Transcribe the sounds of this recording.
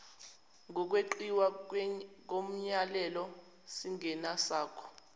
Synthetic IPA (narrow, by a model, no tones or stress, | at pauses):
ŋʱɔk̬weǃiwa | k̬om̩ɲalɛlɔ | siŋʱɛnasaːkʰɔ̥